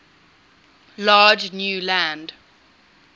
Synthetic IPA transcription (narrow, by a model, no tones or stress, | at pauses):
lɑːd͡ʒnjuːlæ̃nd